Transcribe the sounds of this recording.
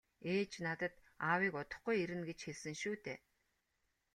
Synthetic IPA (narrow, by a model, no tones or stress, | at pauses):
eːt͡ɕnat̪ə̆t̪ | awiːkʊt̪ɞ̆χɡujeɾɘ̆nɡet͡ɕxeɮsɘ̆ŋʃuːt̪eː